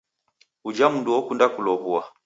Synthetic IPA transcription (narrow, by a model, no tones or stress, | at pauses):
ud͡ʒamunduɔkundakulɔβua